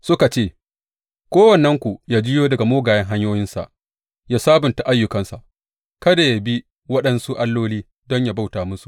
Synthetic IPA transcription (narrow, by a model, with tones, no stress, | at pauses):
sʊ˦ka˨t͡ʃeː˦˨ | kʷoː˦wɐ˨nːɐ˦ŋkʷu˨jaː˦d͡ʒɪ˦joː˦dɐ˨ɡa˨moː˦ɡaː˨jɛ˦ŋɦa˦ɲjoː˦jɪ˦nsa̰˨ʔ | ja˦saː˦bʊ˨nta˨ʔa˦jːʊ˨kɐ˦nsa̰˨ʔ | kɐ˦da˨ja˨bi˦ | wɐ˦ɗɐ˦nsu˦ʔa˦lːoː˦liː˦ | dɔ˦ɲja˨ba˦wtaː˨mʊ˦su̥˨